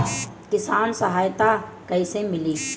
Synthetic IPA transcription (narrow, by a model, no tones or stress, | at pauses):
kɪsaːnsəɦaːjt̪akɐisemɪliː